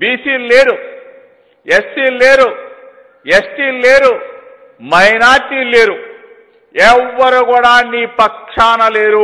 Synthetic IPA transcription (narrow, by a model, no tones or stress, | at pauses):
biːsiːlleːɾu | esʈiːlleːɾu | esʈiːlːeːɾu | mɐjnaːɾʈiːleːɾu | ɛʋːɐɾukuːɽaːnːiːpɐkʂaːnɐleːɾu